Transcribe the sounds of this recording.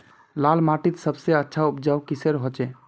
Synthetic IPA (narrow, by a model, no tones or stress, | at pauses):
lalmaʈit̪səbseətːʃʰaupd͡ʒaukiseɾɦot͡ʃɛ